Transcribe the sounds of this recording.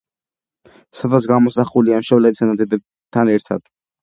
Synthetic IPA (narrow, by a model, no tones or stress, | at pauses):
sad̪at̪sɡamɔsaχuliamʃɔvlɛbisanad̪ɛbɛ | t̪ʰanɛɾt̪ʰa̰d̪̥